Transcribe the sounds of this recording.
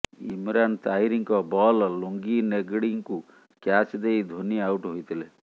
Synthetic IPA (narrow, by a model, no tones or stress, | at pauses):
ḭmɾant̪aiɾiŋkɔbɔlloŋɡineɡɽiŋku | kjat͡ʃd̪ejd̪ʱoniawʈɦojt̪ile